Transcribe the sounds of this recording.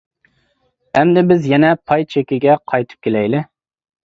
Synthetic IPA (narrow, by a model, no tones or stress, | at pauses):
ɛmd̪ɪbɪzjɛnɛpʰɑjt͡ʃʰekʲɪɡʲɛqʰɑjt̪ʰɨ̥p̚kʲelɛjlɪ